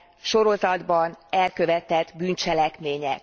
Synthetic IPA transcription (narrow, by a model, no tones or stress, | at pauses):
ʃo̞ɾo̞zɒd̪bɒnɛlkø̞vɛt̪ɛd̪byːnt͡ʃɛlɛkmeːɲɛ̰k